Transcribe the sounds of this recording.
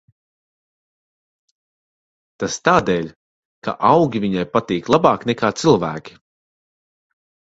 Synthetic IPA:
t̪ast̪aːd̪ɛːʎʲ | ka̰ʔawɡʲivʲiɲajpat̪iːklˠabɑːknɛkaːt̪silˠvæːkʲi̥

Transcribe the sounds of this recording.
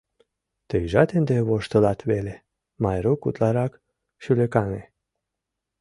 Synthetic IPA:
t̪ejʒat̪end̪evoʃt̪əlat̪vele | majɾokṵt̪laɾak | ʃilekane

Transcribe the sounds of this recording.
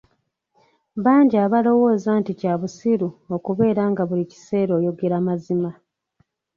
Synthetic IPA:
βaːɲɟiaːβalo̞wo̞ːzaːnticaβusiɾuo̞kuβe̞ːɾaːŋɡaβulici̥se̞ːɾo̞ːjo̞ɡe̞ɾamazima

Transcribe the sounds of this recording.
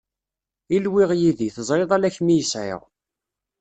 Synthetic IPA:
ilwɪʁjiðiθəzˤɾˤeðˤælæçmijəsʕɪ̰ʁ

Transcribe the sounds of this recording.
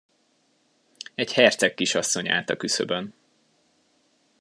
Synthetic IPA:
ɛɟhɛrt̪sɛkːiʃɒsːo̞ɲa̰ːt̪ɒkysø̰bøn

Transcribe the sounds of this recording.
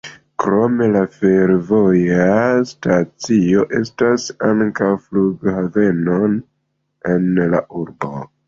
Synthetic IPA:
kɾo̞me̞lafe̞ɾvo̞jastat͡sio̞ʔe̞stasaŋkawfluɡhave̞no̞n | e̞nla̰ʔuɾbo̞̰

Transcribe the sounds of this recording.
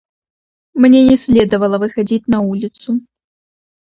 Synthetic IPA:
mnʲɛnʲɛsʲlʲɛd̪ɐvɐlˠɐvɨxad͡zʲit͡sʲnɐulʲit̪su

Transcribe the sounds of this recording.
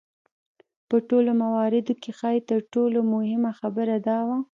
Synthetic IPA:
pəʈolomawɑɾɪd̪okexɑjt̪əɾʈolomʊhɪmaxabəɾad̪ɑwa

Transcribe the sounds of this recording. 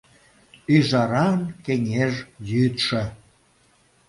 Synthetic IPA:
yʒɑɾɑnkeŋʲeʒjyt̪ʃĕ

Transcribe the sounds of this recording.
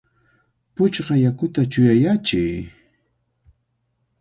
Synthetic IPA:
pʊt͡ʃɢɑjakʊt̪at͡ʃʊjajat͡ʃɪj

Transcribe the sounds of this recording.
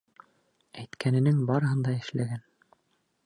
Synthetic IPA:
æjt̪kʰænɘ̆nɘŋbɑɾɤ̆ɦɤnd̪ɑɘ̆ʃlæɡæn

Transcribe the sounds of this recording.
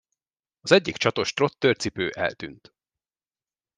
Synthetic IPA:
ɒzɛɟːikt͡ʃɒt̪o̞ʃt̪ro̞t̪ːørt̪sipøːʔɛ̰lt̪y̰nt̪

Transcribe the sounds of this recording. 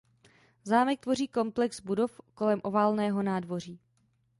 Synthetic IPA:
zaːmɛk̚t̪vo̞riːko̞mplɛkzbudo̞fko̞lɛmʔo̞vaːlnɛːɦo̞naːdvo̞r̝iː

